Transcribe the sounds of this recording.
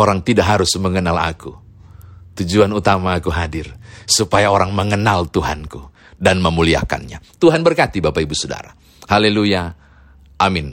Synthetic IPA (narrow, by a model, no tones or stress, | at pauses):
oɾaŋt̪idaʔɦaɾʊsməŋənala̰ku | t̪ud͡ʒuanut̪amaːkuɦadɪrsupajaoɾaŋməŋənalt̪uɦa̰nku | danməmulia̰ka̰nɲa̰t̪uɦanbərkat̪ibapaibusoda̰ɾa | haleluja | ʔamɪn